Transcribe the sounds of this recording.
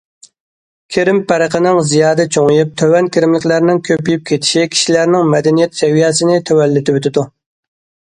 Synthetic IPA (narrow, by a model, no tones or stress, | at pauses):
kʲʰeɾɪmpʰæɾəqʰənɪŋzijɑːd̪ɛt͡ʃʰoŋɨjip̚t̪ʰøwɛnkʲʰiɾɪmlɪkʲlæɾnɪŋkʲʰøpːijyp̚kʲʰet̪ʰi̥ʃikʲʰi̥ʃilæɾnɪŋmɛd̪ɛnijɛt̪sɛwijɛsɪnɪt̪ʰøwɛlːɪt̪ʰɪwøt̪ɪd̪u